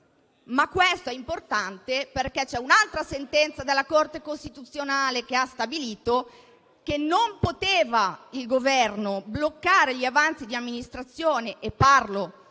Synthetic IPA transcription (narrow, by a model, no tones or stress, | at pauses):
makːwɛst̪oɛimport̪ant̪eperkɛt͡ʃɛunalt̪ɾasent̪ɛnt̪sad̪elːakort̪ekost̪it̪ut̪sːjonaːlek̟east̪abiliːt̪o | k̟enːompot̪eːvailɡovɛrnoblokːaːɾeʎiavant̪sid̪iamːinist̪ɾat̪sːjoːneʔepːarlo